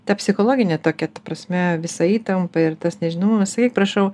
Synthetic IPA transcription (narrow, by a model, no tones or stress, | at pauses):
t̪ɐpʲsʲɪxoːlˠoːɡʲɪnʲet̪oːkʲɛt̪ɐpɾɐsʲmʲɛʋʲɪsɐiːt̪ɐmpɐɪrt̪ɐsnʲɛʒʲɪnɐmɐmʲɐsɐkʲik̚prɐʃɐʊ